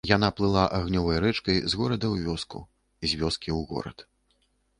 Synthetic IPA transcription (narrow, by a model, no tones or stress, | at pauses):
jan̪aplˠɨlˠaʔaɣnʲɔvɐjɾɛt͡ʂkɐjzɣɔɾɐd̪ɐwvʲɔskṵ | zʲvʲɔskʲiwɣɔ̰ɾɐ̰t̪